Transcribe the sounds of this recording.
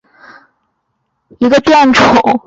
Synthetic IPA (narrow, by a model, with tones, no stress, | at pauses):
i˧˥ɡə˧t̪jɛ˥˩nʈ͡ʂʰo˨˩˦